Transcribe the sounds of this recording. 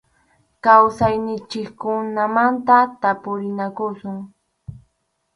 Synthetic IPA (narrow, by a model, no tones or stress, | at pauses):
kawsajnɪt͡ʃɪkkʊnamant̪at̪apʊɾɪnakʊsʊŋ